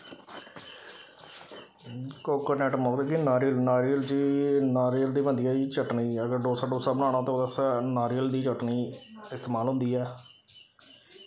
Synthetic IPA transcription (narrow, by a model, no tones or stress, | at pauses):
koːkəɾnɛːʈmɔːɡt̪ːkinaːɾilnaːɾiːəld͡ʒiːnaːɾiːəld̪iːbənd̪ɪijaːiːt͡ʃəʈniːəɡəɾɖoːsaːɖoːsaːbəñãːñaːt̪õːd̪əsanaːɾiːəld̪iːt͡ʃəʈniːɪst̪eːmaːlɦʊ̃nd̪iːɛː